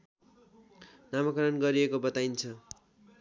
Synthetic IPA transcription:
namʌkʌɾʌnɡʌɾiekobʌt̪ajnt͡sʰʌ

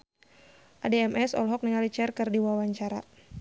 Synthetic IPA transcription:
ʔadeɛmʔɛsɔ̰lɦɔk̚niŋalit͡ʃɛrkərdiwawaɲt͡ʃaɾa̰

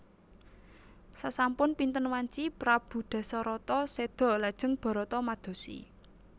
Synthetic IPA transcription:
sasampʊnpint̪ənwaɲt͡ʃipɾab̥ṳd̪̥ä̤sɔɾɔt̪ɔsed̪̥ɔ̤lad̥ʒ̥ə̤ŋb̥ɔ̤ɾɔt̪ɔmad̪̥o̤sḭ

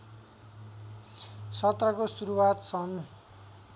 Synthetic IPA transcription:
sʌt̪rʌkosuɾuwat̪sʌn

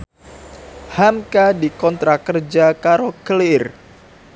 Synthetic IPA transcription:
hamkadikɔnt̪ɾakərd͡ʒakaɾokəlɪr

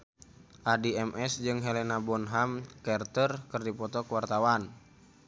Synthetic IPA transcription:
ʔadiɛmɛsd͡ʒɨŋɦɛlɛnabɔnɦamkɛrt̪ərkərdipɔt̪ɔkəwart̪awan

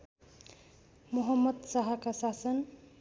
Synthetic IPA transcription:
muɦʌmːʌd̪saɦʌkasasʌn

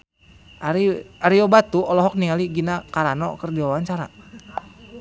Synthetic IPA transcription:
aɾiaɾiɔbat̪uʔɔlɔɦɔk̚niŋaliɡinakaɾanɔ̰kərdiwawaɲt͡ʃaɾa̰

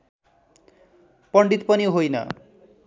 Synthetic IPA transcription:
pʌɳɖit̪panioɦojna̰

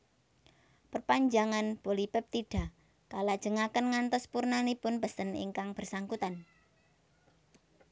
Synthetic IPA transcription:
pərpaɲd͡ʒaŋanb̥o̤lipɪp̚t̪iɖ̥a̤ | kalad̥ʒ̥ə̤ŋakənŋant̪ɔspurnanipʊnb̥əst̪ənḭŋkaŋb̥ərsaŋkut̪an

